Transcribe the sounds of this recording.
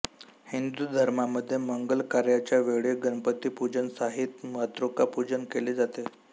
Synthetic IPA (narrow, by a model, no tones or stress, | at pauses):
hind̪ud̪ʱəɾmaməd̪ʱːjeməŋɡəlkaɾjat͡ɕjaʋeɭeɡənpət̪iːpud͡ʑənsaɦit̪mət̪ɾokapud͡ʑənkeled͡zat̪e